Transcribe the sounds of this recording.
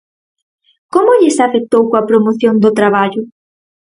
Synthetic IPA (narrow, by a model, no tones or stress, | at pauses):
komʊʎɪsafek̚t̪owkoɐpɾomoθjond̪ʊt̪ɾaβaʎʊ